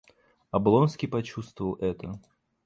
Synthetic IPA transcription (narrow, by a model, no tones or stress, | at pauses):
ɐblˠɔnskʲipɐt͡ɕust̪vəvəlˠʔɛt̪ə